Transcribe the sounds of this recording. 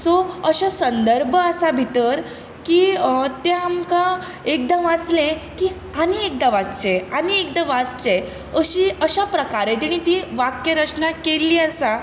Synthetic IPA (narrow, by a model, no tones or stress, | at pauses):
soəɕasənd̪əɾbʱəəsabʱit̪əɾ | kiːt̪ẽamka | ek̚d̪əmʋat͡slẽki | aniek̚d̪ə̃ʋat͡st͡ɕeaniek̚d̪əʋat͡st͡ɕe | əɕiəɕapɾəkaɾẽd̪iɽ̃ĩt̪iʋakjeɾət͡ɕnakelːiːəsa